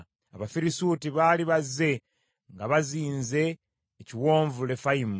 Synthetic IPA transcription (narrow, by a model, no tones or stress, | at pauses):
aβafiɾisuːtiβaːliβazːe̞ | ŋɡaβaziːnze̞ː | ciwo̞ːɱvule̞faim